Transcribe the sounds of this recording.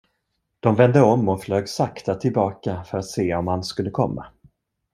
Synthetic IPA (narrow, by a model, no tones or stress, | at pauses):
d̪̥ɔmvɛnd̪əɔmːɔfløːɡsakt̪at̪ʰɪlbɑːkafœɾat̪seːɔmhanskɵlːəkʰɔmːa̰